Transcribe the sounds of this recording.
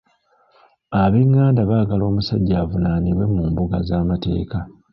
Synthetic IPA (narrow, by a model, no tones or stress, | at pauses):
aβiŋːaːndaβaːɡalo̞ːmusa̰ɟːaːvunaniβwe̞muːmbuɡa̰zaːmate̞̰ːka